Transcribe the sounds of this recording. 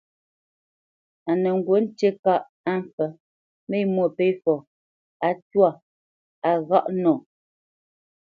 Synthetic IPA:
a˨nə˨ŋ̩˨ɡwo˨˦n̩˦te˦ka˦˨ʔ | a˦˨m˨fə˨ | me˦mwo˨pe˦fɔ˨ | a˨twa˦˨ | a˨ɣa˦˨ʔnɔ˨

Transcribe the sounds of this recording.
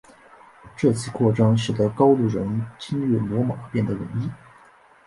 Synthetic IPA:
ʈ͡ʂɤ˥˩t͡ɕʰi˥˩kʰwɔ˥˩ʈ͡ʂɑ˥ŋɕɥɛ˨˩d̪ə˧˥kɑ˥ʊt̪u˥˩ɻə˧˥nt͡ɕi˥ŋɻɛ˥˩mwɔ˧˥mɑ̰˨˩˦pjɛ˥˩nd̪ə˩ɻə˧˥ni˥

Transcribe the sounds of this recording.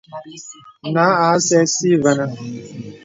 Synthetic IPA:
na˨˦a˨˦sɛ˦si˦˨va˨na˦

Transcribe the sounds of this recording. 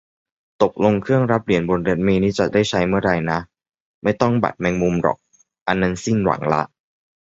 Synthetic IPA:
t̪o˨˩k̚lo˧ŋkʰɯ˥˩əŋɾa˦˥p̚ɾi˨˩˦ənbo˧nɾe˦˥t̪̚meː˧niː˦˥t͡ɕa̰˨˩da˥˩jt͡ɕʰa˦˥jmɯ˥˩əɾa˧jna˦˥ | ma˥˩jt̪ɔ˥˩ŋba̰˨˩t̪̚mɛː˧ŋmu˧mɾɔ̰˨˩k̚ | ʔa˧nːa˧nsi˥˩nwa̰˩˦ŋla̰˦˥ʔ

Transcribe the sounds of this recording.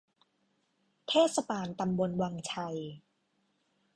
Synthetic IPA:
t̪ʰeː˥˩t̪̚sa˧baː˧nt̪a˧mbo˧nwa˧ŋt͡ɕʰa˧j

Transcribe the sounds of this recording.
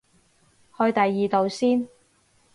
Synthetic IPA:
hɵ˧ɥt̪ɐ˨jːiː˨t̪o˨˧wsiː˥n

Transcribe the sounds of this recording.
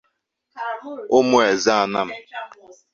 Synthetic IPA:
ʊ˦mʊ˦e˨za˦a˦˨na̰˦m̩˦˨

